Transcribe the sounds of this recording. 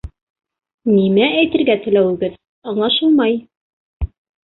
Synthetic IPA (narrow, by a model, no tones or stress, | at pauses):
nimææjt̪ɘ̆ɾɡæt̪ɘ̆læwɘ̆ɡɘð | ɑɴlˠɑʃɤlˠmɑj